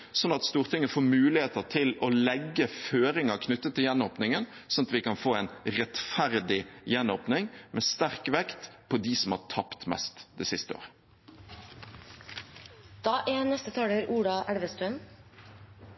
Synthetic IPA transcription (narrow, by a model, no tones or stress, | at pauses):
sɔnɑt̪st̪uːɾt̪ʰɪŋːəfoːmʉːlɪheːt̪ət̪ʰɪloːlɛɡːəføːɾɪŋɑkʰnʉt̪ːət̪ʰːɪljɛnːoːpnɪŋən | sɔnt̪ʋɪkɑnfoːɛɪnʁɛt̪fæɾd̪ɪjɛnːoːpnɪŋmʔɛːst̪æɾkʋɛkt̪pʰɔd̪isɔmhɑ̰ːt̪ʰɑpt̪mɛ̰st̪d̪̥ɛːsɪst̪əo̰ːʁə | d̪̥ɑːʔeːnɛst̪ət̪ʰɑːɽəɾʔuːɖɑʔæɽʋəst̪ɾən